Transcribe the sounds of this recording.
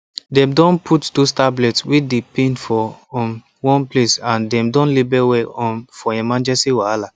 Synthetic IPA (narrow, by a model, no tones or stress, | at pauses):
dɛ̃mdɔ̃npʰutdostablɛtswidepẽnfɔɔ̃n | wɔ̃nplesãndɛ̃mdɔ̃nlibɛwɛɔ̃nfɔɛmãnd͡ʒɛsiwaala